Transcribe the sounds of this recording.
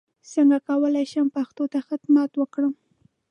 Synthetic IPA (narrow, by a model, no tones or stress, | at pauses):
səŋɡakawəlajʃampaxt̪ot̪axad̪mat̪wəkɽəm